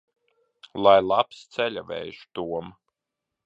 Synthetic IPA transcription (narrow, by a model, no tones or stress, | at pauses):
lˠajlˠapst̪sɛlʲavɛ̰jʃt̪uɔm